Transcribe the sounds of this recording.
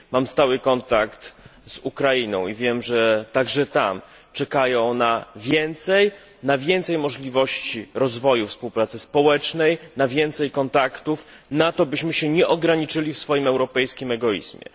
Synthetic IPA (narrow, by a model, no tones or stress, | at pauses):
mamst̪awɘkɔnt̪akt̪zukɾainɔ̰̃w̃ivʲjɛmʐɛt̪aɡʐɛt̪a̰m | t͡ʂɛkajɔ̃wnavʲjɛnt̪sɛj | navʲjɛnt̪sɛjmɔʐlʲivɔɕt͡ɕiɾɔzvɔjufspuwpɾat̪sɘspɔwɛt͡ʂnɛjnavʲjɛnt̪sɛjkɔnt̪akt̪uf | nat̪ɔbɘɕmɘɕɛɲɛʔɔɡɾaɲit͡ʂɘlʲifsfɔjimɛwɾɔpɛjskʲimɛɡɔḭzmʲjɛ̰